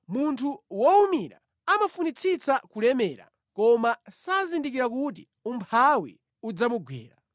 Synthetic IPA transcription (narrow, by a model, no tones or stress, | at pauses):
muntʰuwɔumiɾa̰ | amafunit͡sʰit͡sakulɛmɛːɾa̰ | kɔmasazindikiɾak̬ut̬i | umpʰawḭ | ud͡zamuɡwɛ̰ːɾa̰